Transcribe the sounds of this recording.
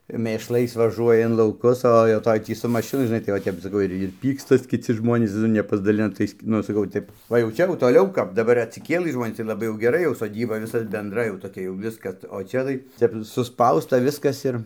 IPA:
mʲeːʃˈlˠɐɪs ʋɐˈʒuɔjɛ ɪn lˠɐʊˈkʊs oː jɛʊ ˈtoːj tʲiː sʊ mɐʃʲɪˈnʊ ʒʲɪˈnɐɪ tɐɪ ʋɐ ˈtʲɛp sɐˈkɐʊ ɪr ɪr ˈpʲiːkstɐs kʲɪˈt͡sʲɪ ˈʒmoːnʲiːs ˈnʊ nʲɛpɐzdɐˈlʲɪnɐ ˈtɐɪs ˈnʊ ɐʃ sɐˈkɐʊ ˈtʲɛp ˈʋɐ jɛʊ ˈt͡ʃʲɛ jɛʊ toːˈlʲɛʊ kɐp dɐˈbɐr ɐtʲsʲɪˈkʲeːlˠɨ ˈʒmoːnʲiːs tɐɪ lˠɐˈbɐɪ jɛʊ ɡʲɛˈrɐ jɛʊ soːˈdʲiːbɐ ˈʋʲɪsɐ bʲɛnˈdrɐɪ jɛʊ toːˈkʲɛ jɛʊ ˈʋʲɪskɐs oː ˈt͡ʃʲɛ tɐɪ ˈtʲɛp sʊˈspɐʊstɐ ˈʋʲɪskɐs ɪr

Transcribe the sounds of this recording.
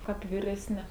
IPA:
ˈkɐp ʋʲɪrʲɛsʲˈnʲɪ

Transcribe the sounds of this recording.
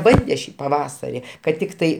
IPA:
ˈbɐnʲdʲɛ ˈʃʲiː pɐˈʋɑːsɐrʲɪ kɐt ˈtʲɪktɐɪ

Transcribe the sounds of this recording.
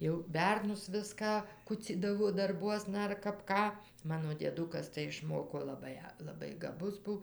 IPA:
jɛʊ ˈbʲɛrnʊs ˈʋʲɪskɑː ˈkʊt͡sʲiːdɐʋoː dɐrˈbuɔsnɐ ɐr kɐp ˈkɑː ˈmɑːnoː dʲiɛˈdʊkɐs tɐɪ ɪʃˈmoːkoː lˠɐˈbɐɪ lˠɐˈbɐɪ ɡɐˈbʊs ˈbʊ

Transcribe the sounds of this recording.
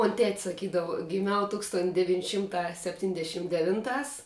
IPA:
moːnʲ tʲɛtʲ sɐˈkʲiːdɐʋɐ ɡʲɪˈmʲɛʊ ˈtuːkstoːn dʲɛˈʋʲiːnʲ ˈʃʲɪmˌtɑː sʲɛpʲˈtʲiːnʲdʲɛʃʲɪm dʲɛˈʋʲɪnˌtɑːs

